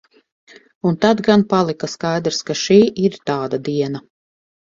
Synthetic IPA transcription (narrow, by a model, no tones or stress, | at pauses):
unt̪ad̪ɡanpalˠikaskajd̪ɾskaʃiːʔiɾt̪aːd̪ad̪iɛna